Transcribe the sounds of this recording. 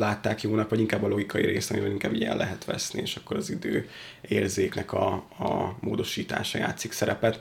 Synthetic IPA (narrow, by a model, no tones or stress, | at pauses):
laːt̪ːaːkjoːnɒpʋɒɟiŋkaːbːɒlo̞ɡikɒjiɾeːst̪ɒmibɛliŋkaːbiɟɛɛ̰lːɛɦɛt̪ʋɛ̰snḭeːʃɒkːo̞ɾɒzid̪øː | eːrzeːknɛkɒ | moːd̪o̞ʃiːt̪a̰ːʃɒja̰ːt̪siksɛɾɛpɛt̪